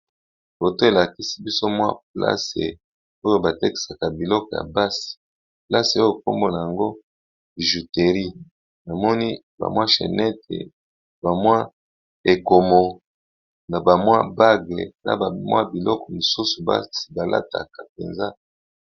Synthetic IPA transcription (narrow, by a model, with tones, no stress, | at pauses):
bo˨to˦e˨la˨ki˦si˦bi˦so˦mwa̰˦pla̰˦sḛ˨ | o˦jo˨ba˨tɛ˦ki̥˨sa˨ka˨bi˨lɔ˦kɔ˨ja̰˨ba˦si̥˨ | pla˦se˨o˦jo˦˨k̚o˦mbo˦na˨ja˨ŋɡo˦ | i˨ʒu˨te˨ʁi˦ | na˨mɔ˦ni˦ | ba̰˨mwa˦ʃḛ˨nɛ˦tʰḛ˨ | ba˨mwa˦ | e˨ko˨mo˨ | na˨ba˨mwa˦ba˦ɡe˨na̰˦ba˨mwa˦bi˨lɔ˦kɔ˨mu˨su˦su˨ba̰˦si̥˨ba˨lʔa̰˦ta̰˨ka˨p̚ḛ˨nza˦